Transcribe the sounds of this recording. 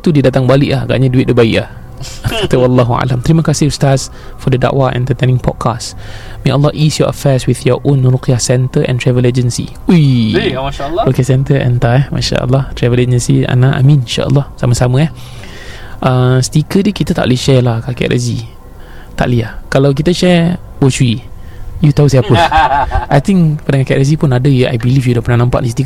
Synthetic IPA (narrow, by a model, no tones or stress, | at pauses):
t̪udidat̪aŋbalɪʔlahaɡa̰ʔɲaduiʔ̚dəbaɪʔlah | kat̪əwalːaɦua̰lamt̪əɾiməkasɪhust̪as | fɔdəda̰ʔwaɛ̰̃nt̪ət̪anɪ̃ŋpʰɔ̰d̚kʰas | mẽʔəlːɔʔisjɔʔə̰fɛswiθjɔʔonɾokijahsɛnt̪əʔɛ̰̃nt̪ɾɛvəled͡ʒənsḭ | uj | ɾukiasɛnt̪əʔɛ̰nt̪aɛma̰ʃa̰ʔə̰lːɔht̪ɾɛvəled͡ʒənsia̰naʔa̰mĩnnʃa̰ʔə̰lːɔhsaməsaməɛh | ʔəst̪ikədikit̪ət̪a̰ʔliʃɛlahkakɛ̰ʔʔa̰zi | t̪a̰ʔliahkalawk̬it̪əʃɛ | wot͡ʃui | jut̪ausɛpənʔajt̪ĩŋpadãŋkakɛʔɾez̬ipunadəjəʔa̰jbilifjudopənahnãmpaʔĩsi̥t̪i